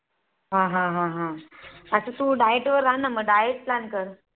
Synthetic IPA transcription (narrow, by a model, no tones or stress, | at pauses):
ɦãɦãɦãɦãəsət̪uɖajeʈʋəɾːaɦnaməɡɖajeʈ̚plankəɾ